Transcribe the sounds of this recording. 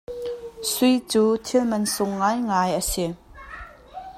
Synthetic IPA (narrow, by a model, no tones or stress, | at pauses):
sujt͡suːt̪ʰilmɐnsʊŋːajŋajʔəsi